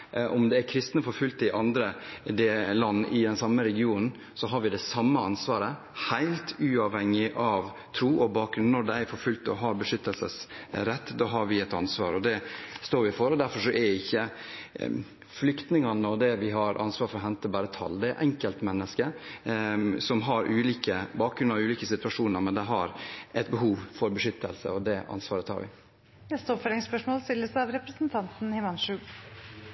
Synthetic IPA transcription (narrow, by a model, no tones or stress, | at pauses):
ʔɔmd̪ɛæɾkʰɾɪst̪nəfɔɾfʉlt̪ɪʔɑnd̪ɾəd̪eːlːɑnːɪd̪ɛnsɑmːəɾɛɡɪuːnn̩ | sɔɦɑɾʋɪd̪ɛsɑmːəɑnsʋɑːɾə | haɪlt̪ʉːɑʋhɛŋːɪʔɑʋ | t̪ʰɾuːʔɔbɑːk̚ɡɾʉnnɔd̪ɛæɾfɔɾfʉlt̪ɔ̰ɦɑːɾbəʂʏt̪ːəlsə̰sɾɛt̪ːd̪ɑːɦɑɾʋɪɛt̪ɑ̰nsʋɑ̰ːɾɔd̪ɛst̪oːɾʋɪfɔɾɔd̪æɾfɔʂɔʔɛɾɪçːə | flʏkt̪nɪŋɑnəɔd̪ɛʋɪɦɑɾʔɑ̰nsʋɑːɾfɔɾɔɦɛnt̪əbɑːɾət̪ʰɑ̰ld̪ɛɛʔɛŋkəlt̪mɛnːəskə | sɔmɦɑɾʔʉːliːkəbɑːk̚ɡɾʉnʋʉːliːkəsɪt̪ʉʋɑʂuːnəɾmɛnd̪ɛɦɑɾɛt̪̚bəɦuːʋfɔɾbəʂʏt̪ʰːəlsə̰ɔd̪ɛʔɑ̰nsʋɑːɾət̪hɑ̰ːɾʋɪ̰ | nɛst̪əɔpfœɾɪŋspœʂmoːlst̪ɪlːəsɑʋɾɛpɾəsnt̪ʰɑnt̪n̩hɪmɑnʂʉːɡ